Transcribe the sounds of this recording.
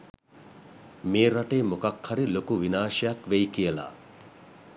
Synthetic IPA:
meːɾaʈeːmokakhaɾilokuʋinaːʂɐjakʋejkijəla̰

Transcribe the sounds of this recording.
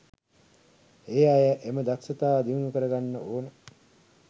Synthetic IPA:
eːajəʔeməd̪aksət̪aːd̪iʋnukəɾəɡanːəoːnə

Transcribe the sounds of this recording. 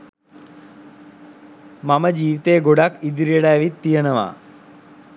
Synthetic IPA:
maməd͡ʒiːʋit̪eːɡoɽakid̪ɾijəɽajːʋit̪ːijənɐʋa̰ː

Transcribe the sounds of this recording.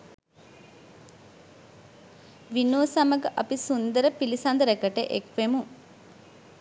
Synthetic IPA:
ʋinoːsaməɡəʔapisund̪əɾəpilisand̪əɾekəʈə̰ʔekʋemu

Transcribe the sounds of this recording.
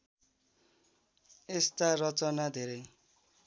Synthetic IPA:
estaɾɔt͡sɔnad̪ʱeɾe

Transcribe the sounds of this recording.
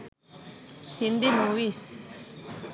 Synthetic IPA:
hindimuwis

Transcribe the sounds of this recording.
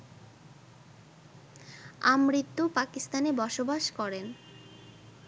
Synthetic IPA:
amɾit̪ːupakist̪anebɔʃobaʃkɔɾen

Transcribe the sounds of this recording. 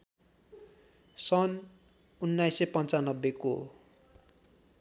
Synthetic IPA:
sʌn | unːajsepʌnt͡sanʌbːeko̰

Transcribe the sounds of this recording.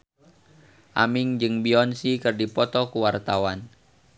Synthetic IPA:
ʔa̰miŋd͡ʒɨŋbiɔnsikɨrdipɔt̪ɔkuwart̪awan

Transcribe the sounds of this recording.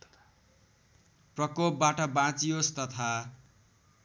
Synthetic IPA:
prʌkop̚baʈʌbãt͡sijost̪ʌt̪ʰa

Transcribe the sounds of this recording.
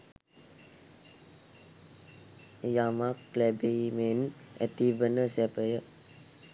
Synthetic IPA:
jamakːlɛbeimenɛ̰t̪ibənəsɛpəjə

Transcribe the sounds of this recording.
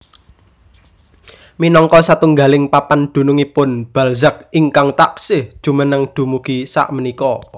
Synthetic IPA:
minɔŋkɔsat̪uŋɡalɪŋpapand̪̥ṳnʊŋipʊnb̥ä̤lzək̚iŋkaŋt̪aksɪhd̥ʒ̥ṳmənəŋd̪̥ṳmuɡ̥isa̰ʔmənikɔ

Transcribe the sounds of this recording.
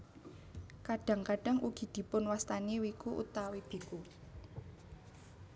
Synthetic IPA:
kaɖ̥a̤ŋkaɖ̥a̤ŋʔuɡ̥i̤d̪̥i̤pʊnwast̪aniwikuʔṵt̪awib̥i̤ku

